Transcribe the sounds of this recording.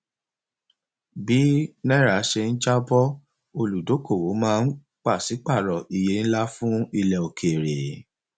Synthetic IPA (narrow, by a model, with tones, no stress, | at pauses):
bi˨˦nɛ̃˦ɾa˨˦ʃe˧n̩˦d͡ʒa˦bɔ˦ | o˧lu˨do˨˦ko˦˨wo˨˦mãː˦˧n̩˦ | k͡pa˦˨si˨˦k͡pa˦˨ɾɔ˨i˨je˨˦n̩˦la˦fũ˦i˧lɛ˨o˨kʰe˨ɾe˨